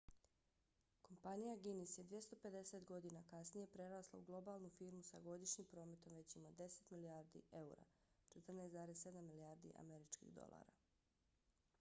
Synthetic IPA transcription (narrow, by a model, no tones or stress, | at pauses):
ko̞mpanijaɡinisje̞d̪ʋje̞st̪ope̞d̪e̞set̪ɡo̞d̪inakasnije̞pɾe̞ɾaːslˠa̰uɡlˠo̞baːlˠnufiːɾmusaɡo̞d̪iʃɲimpɾo̞ːme̞t̪o̞mʋe̞t͡ɕimod̪e̞set̪miliaːɾd̪ḭʔe̞uɾa̰t͡ʃet̪r̩neːzaːɾesːe̞d̪amːiliaːɾd̪ḭʔa̰me̞ɾit͡ʃkḭɣd̪o̞̰lˠa̰ːɾa̰